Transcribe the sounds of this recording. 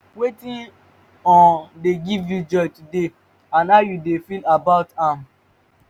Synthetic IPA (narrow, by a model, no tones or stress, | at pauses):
wetĩn | ɔ̃deɡivjud͡ʒɔjtude | ãnaʊjudefilabaʊtãm